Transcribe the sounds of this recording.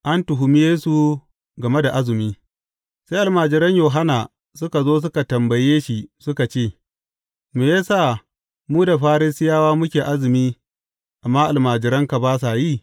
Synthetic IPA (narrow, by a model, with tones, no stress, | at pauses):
ʔa˦ntʊ˨ɦʊ˨mɪ˦jeː˦su˨ | ɡɐ˨me˦da˨ʔa˦zɪ˨miː˦ | sa˦ʔa˨lmaː˨d͡ʒɪ˨ɾɐ˦ɲjoː˨ɦa˦naː˨ | sʊ˦ka˨zoː˦s̬ʊ˦ka˨tɐ˨mbɐ˨jeː˦ʃi˨sʊ˦ka˨t͡ʃeː˦˨ | meː˨jaː˦saː˦˨ | muː˦da˨ɸaː˦ɾɪ˦sɪ˦jaː˦waː˦mʊ˦kʲeː˨ʔa˦zɪ˨miː˦ | ʔa˨mːaː˦ʔa˨lmaː˨d͡ʒɪ˨ɾɐ˦ŋka˨baː˦s̬a˨jiː˦˨